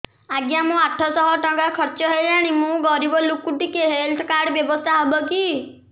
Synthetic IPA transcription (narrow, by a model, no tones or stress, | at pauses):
aɡjamũaʈʰɔsɔɦɔʈɔŋɡakʰɔɾt͡ʃɔɦed͡ʒaɽ̃imũɡɔɾibɔlukuʈikeɦelʈʰkaɾɖbjɔbɔst̪ʰaɦɔbɔki